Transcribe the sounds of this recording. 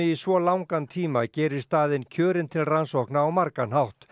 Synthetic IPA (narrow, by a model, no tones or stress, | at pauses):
ɪisvɔlawŋkant̪ʰiːmacɛːɾɪɾ̥st̪aːðɪncʰœːɾɪnt̪ʰɪlransɔhknaawmaɾkanɦawht̪